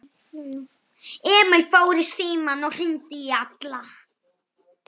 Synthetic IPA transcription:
ɛːmɪlfoːwɾɪsiːmanɔwr̥ɪnt̪ɪːat̪la

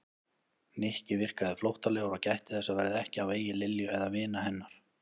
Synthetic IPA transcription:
nehcɪvɪr̥kaðɪflowht̪aleːɣɾacajht̪ɪ̥θɛsavɛːɾɪðɛhcɪaveːjɪlɪljʏɛðavɪːnahɛnːaɾ̥

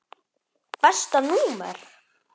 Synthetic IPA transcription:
pɛst̪anuːmɛ̰ɾ̥

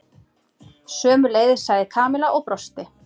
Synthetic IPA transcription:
sœːmʏɾleːjðɪɾ̥saːjðɪkʰaːmɪlaʔowpɾɔst̪ɪ

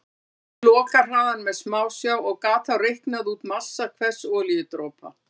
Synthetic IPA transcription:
lɔːkḁr̥aːðanmɛðsmaːwsjaːwɔɣkaːt̪ʰawrehknaðuːt̪mḁsːakʰvɛ̥sɔːlijɪt̪ɾoːpa̰

